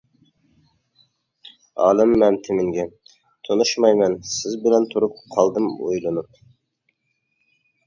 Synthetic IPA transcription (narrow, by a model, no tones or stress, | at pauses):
ɑ̰ːlˠɨmːɛmt̪ʰɪmɪŋɡʲɛ | t̪ʰonuʃmɑjmɛnsɪzbɪlɛnt̪ʰuɾup̚qʰɑlˠd̪ɨmo̰jlˠɨnup̚